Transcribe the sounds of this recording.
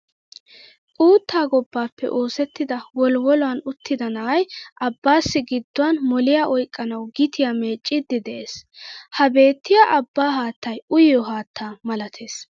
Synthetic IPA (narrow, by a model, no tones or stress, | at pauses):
ʔuːt̪ʰːaːɡɔbːaːpːɛ̰ʔo̞ːsɛt̪ːɪd̪ɐwɔlwɔlɔwɐnʊt̪ʰːɪd̪ɐnɐɐjʔɐbːaːsːɪɡɪd̪ːʊwanmɔlɪjaːʔɔjkʼːɐnɐwɡɪt̪ʰɪjame̞ːt͡ʃʼːɪd̪ːɪd̪ɛʔeːshɐbe̞ːt̪ːɪjaːʔɐbːaːɦaːt̪ːɐjʊjɔɦaːt̪ʰːaːmɐlɐt̪ʰeːs